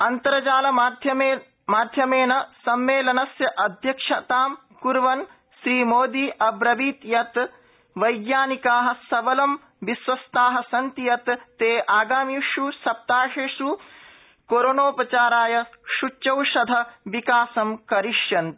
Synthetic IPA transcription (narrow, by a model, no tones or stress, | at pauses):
ɐnt̪ɐɾɐd͡ʒaːlɐd̪ʱjɐ | maːd̪ʱjɐmeːnɐsɐmːeːlɐnɐsjɐʔɐd̪ʱjɐkʂɐt̪aːm | kuɾʋɐn | ʃɾiːmoːd̪iːʔɐbɾɐʋiːt̪jɐt̪ | ʋɐjɡjaːnikaːɦɐ̆sɐbɐlɐm | ʋisʋɐst̪aːɦɐ̆sɐnt̪ijɐt̪ːeːʔaːɡaːmiʃusɐp̚t̪aːʂeːʂu | koːɾonoːpɾɐt͡ʃaːɾaːjɐʃut͡ʃːt͡ʃɐwʂɐd̪ʱɐʋikaːsɐmkɐɾiʂjɐnt̪